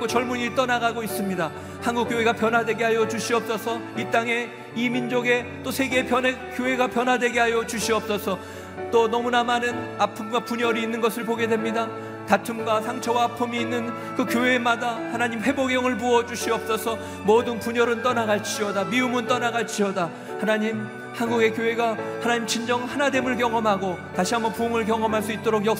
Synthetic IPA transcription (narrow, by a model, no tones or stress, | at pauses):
kot͡ɕʌɭmuɲit͈ʌnaɡaɡois͈ɯmɲida | hanɡuk͈joɦe̞ɡapjʌnɦadwe̞ɡeɦajʌt͡ɕuɕʰiʌp̚s͈ʌsʰʌit͈aŋe̞ | imind͡ʑoɡe̞t͈osʰe̞ɡe̞ːpjʌnekjoɦe̞ɡapjʌnɦadwe̞ɡeɦajʌt͡ɕuɕʰiʌp̚s͈ʌsʰʌ | t͈onʌmunamanɯnapʰɯmɡwapuɲʌɾiːnːɯnɡʌsʰɯɭpoɡe̞dwe̞mɲida | tatʰumɡwasʰaŋt͡ɕʰʌwaːpʰɯmiːnːɯn | kɯkjoɦe̞madahanaɲimhe̞boɡjʌŋɯɭpuʌd͡ʑuɕʰiʌp̚s͈ʌsʰʌ | modɯnpuɲʌɾɯnt͈ʌnaɡaɭt͡ɕ͈iʌdamiumɯnt͈ʌnaɡaɭt͡ɕ͈iʌda | hanaɲim | hanɡuɡe̞kjoɦe̞ɡahanaɲimt͡ɕʰind͡ʑʌŋhanade̞mɯɭkjʌŋʌmɦaɡotaɕʰiɦamʌpuŋɯɭk̬jʌŋʌmɦaɭs͈uit̚t͈oɾoɡjʌk̚